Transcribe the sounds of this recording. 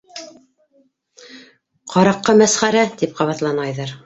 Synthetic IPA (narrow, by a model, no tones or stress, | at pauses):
qɑɾɑqːɤmæsχæɾæt̪ip̚qɑβɑt̪lˠɑnɑjðɑɾ